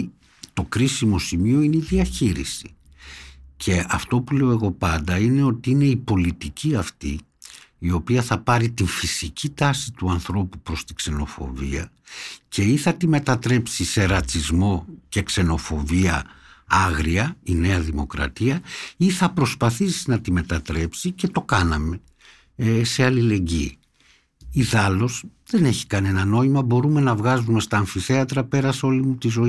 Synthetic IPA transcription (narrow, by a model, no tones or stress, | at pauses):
t̪o̞kɾisimo̞simio̞ine̞iðiɐçiɾḭsi | cʰe̞ɐft̪o̞pule̞o̞e̞ɣo̞pɐnd̪ɐine̞o̞t̪iine̞ipo̞lit̪iciɐft̪i | io̞piɐθɐpɐɾit̪iɱfisicit̪ɐsit̪uɐnθɾo̞pupɾo̞st̪ikse̞no̞̰fo̞̰vḭɐ | cʰe̞iθɐt̪ime̞t̪ɐt̪ɾe̞psise̞ɾɐt͡sizmo̞ce̞kse̞no̞fo̞viɐ̰ | ɐɣɾiɐine̞ɐðimo̞kɾɐ̰t̪iɐiθɐpɾo̞spɐθisinɐt̪ime̞t̪ɐt̪ɾe̞psice̞t̪o̞kɐnɐme̞ | ese̞ɐlile̞ɲɟḭː | iðɐlo̞sðe̞ne̞çi̥kɐne̞nɐno̞imɐbo̞ɾume̞nɐvɣɐzume̞st̪ɐːɱfiθe̞ɐt̪ɾɐpe̞ɾɐso̞limut̪izo̞i